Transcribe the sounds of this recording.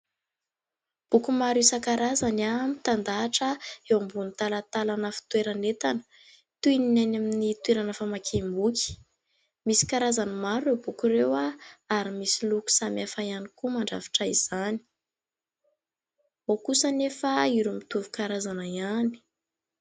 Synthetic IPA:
b̥ukumaɾisakaɾazanamit̪and̪aːʈ͡ʂəewambunit̪alat̪alanəfi̥t̪weɾanet̪anə̥ | t̪uininajnaminit̪weɾanəfamakʰembuki̥ | misi̥kaɾazanəmaɾuewbukuɾewaaɾimisiluku̥samiafajanikumaɳɖ͡ʐavi̥ʈ͡ʂaiz̥ani̥ | okusənefaiɾumit̪uvukaɾazanaiani̥

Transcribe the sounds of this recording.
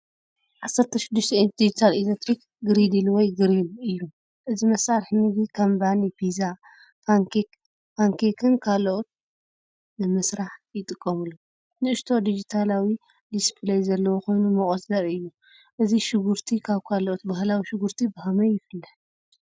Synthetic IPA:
ʕasːɐɾt̪ʰɐʃɪd̪ːɨʃt̪ʰɛd̪id͡ʒit̪ʰalilet̪ɾik | ɡɨɾid̪ilwɔjɡɨɾilɨjːu | ʔɨzimɐsaɾħnɨɡikʰɐmbanifʰiza | faŋkik | faŋkʰekʰɨnkʰaloʔot̪̚ | nɨmɨsɾaħjɪt̪ʼɨkʼːɐmɨlːu | nɨɨʃt̪ʰo̞d̪id͡ʒit̪ʰalawi | d̪ispʰlajzɐlːɐwoko̞jnumɐχʼozlɐɾɨjːu | ʔɨziʃɨɡuɾt̪ʰikʰaβkʰaloʔot̪baɦlawiʃɪɡuɾt̪ʰibɨhɐmɐjɪfɨlːɐħ

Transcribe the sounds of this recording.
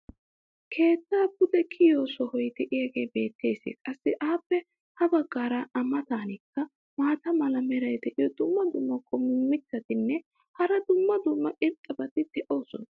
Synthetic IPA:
kʰe̞ːt̪ːaːbʊd̪ɛkʰɪjoːsɔhɔjt̪ɛʔɪɐɡeːbe̞ːt̪ʰːe̞ːsɪ̰kʼɐsːɪʔaːpːɛ | hɐbɐɡːaːɾɐɐmːɐt̪aːnɪkːɐ | maːt̪ɐmɐlɐmɛɾɐjt̪ɛʔɪɔd̪ʊmːɐd̪ʊmːɐkʼːɔmɪmːɪt͡sːɐt̪ɪnːɛ | hɐɾɐd̪ʊmːɐd̪ʊmːɐʔɪnt̪ʼːɐbɐt̪ɪd̪ɛʔoːsɔn

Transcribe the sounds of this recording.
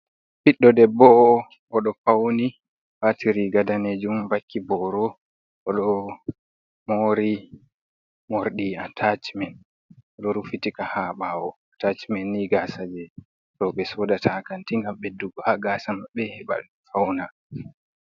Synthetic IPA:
fiɗːɔdɛbɔ | ʔɔɗɔfawni | watʰiɾiɡadaned͡ʒumvakːibɔɾɔ | ɔɗɔ | moːɾi | moɾɗiatʰat͡ʃimɛn | ɔɗɔɾufitikahaɓawɔatat͡ʃimɛnːiɡasad͡ʒɛ | ɾɔɓɛsɔdatʰakantiŋɡamɓɛduɡɔhaɡasamabɛɛɓa̰ | fawna

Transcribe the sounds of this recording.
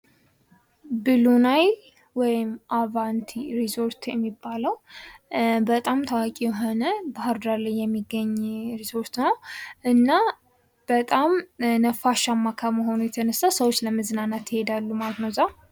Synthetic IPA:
bɨlunaj | wɔjɪmʔavant̪ʰiɾizo̞ɾt̪jɛ̰mːibːaləw | bət̪ʼamt̪ʰawakʼijɛɦo̞nəbahəɾd̪aɾləjjɛmːiɡːəɲːɾiso̞ɾt̪nəwʔɨnːa | b̥ət̪ʼamnəfaʃamːakʰəməɦo̞nujɛt̪ʰənəsawsəwot͡ʃːləmɨzɨnanat̪jɪhe̞d̪alːumalət̪nəwza

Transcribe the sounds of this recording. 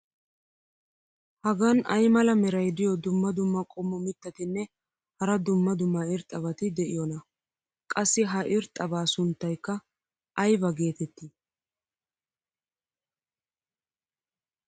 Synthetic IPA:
hɐɡɐnɐjmɐlɐmɛɾɐjd̪ɪjɔd̪ʊmːɐd̪ʊmːɐkʼɔmːɔmɪt̪ːɐt̪ɪnːɛ | hɐɾɐd̪ʊmːɐd̪ʊmːɐɪɾt̪ʼːɐβɐt̪ɪd̪ɛʔɪjɔnɐ | kʼɐsːɪɦɐʔɪɾt̪ʼɐbaːsʊnt̪ːɐjkːɐ | ʔɐjbɐɡe̞ːt̪ɛt̪ːɪ

